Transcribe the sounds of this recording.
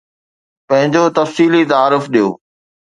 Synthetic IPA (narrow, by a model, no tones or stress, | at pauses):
pɐ̃ɦɪ̃ɲd͡ʑot̪ɐfsiːlit̪aaːɾʊfɗijo̰ː